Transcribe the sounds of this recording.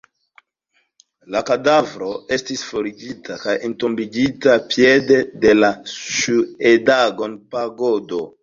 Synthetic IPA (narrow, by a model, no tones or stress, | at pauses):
lakadavɾo̞e̞stisfoɾiɡitʰakajentombid͡ʒitapjede̞de̞laʃuedaɡonpaɡodo